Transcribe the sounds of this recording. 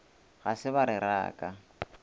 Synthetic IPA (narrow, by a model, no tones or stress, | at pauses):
ɣasɪbaɾɪɾa̰ːkʼa